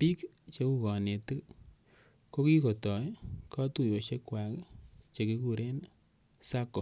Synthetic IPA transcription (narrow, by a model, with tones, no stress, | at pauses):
pi˦k | t͡ʃe˨˦ku˨kɔ˨ne˨ti˦ | ko˦ki˦ko˨tɔ˨jkɔ˦tu˨jo˨ʃe˦kːwa˨kt͡ʃe˨ki˦ku˨ɾe˦n | sa˦kːo˨